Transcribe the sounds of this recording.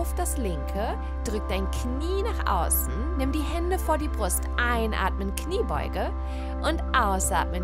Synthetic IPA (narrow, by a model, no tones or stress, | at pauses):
ʊfd̥aslɪŋkʰə | d̥ʁʏk̚d̥aɪnkʰniːnaːχʔa̰ʊsn̩nɪmdiːɦɛndəfoːɐdiːbʁʊstʔaɪnʔa̰ːtmənkʰniːbɔ̰ʏɡə | ʔʊntʔaʊsʔa̰ːtmən